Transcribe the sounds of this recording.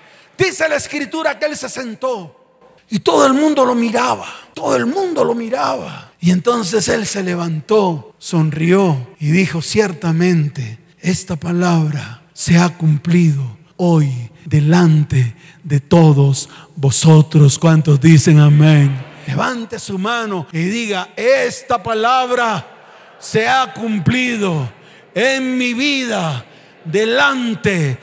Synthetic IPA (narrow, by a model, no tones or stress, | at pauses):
d̪̥ise̞laeskɾit̪uɾakeelse̞se̞nt̪o̞ | it̪o̞ðoe̞lmũnd̪o̞lo̞miɾaβat̪oðoelmũnd̪o̞lo̞miɾaβaie̞nt̪o̞ns̬e̞se̞lse̞le̞βant̪o̞so̞nrio̞iðixo̞sje̞ɾt̪amẽ̞nt̪e | e̞st̪apalaβɾa | se̞akumpliðo | ojd̪elant̪e | ðet̪o̞ðosbosot̪ɾoskwant̪ozðiseŋamẽŋleβant̪esumanoiðiɣaest̪apalaβɾa | seakumpliðo | eŋmiβiða | ðelant̪e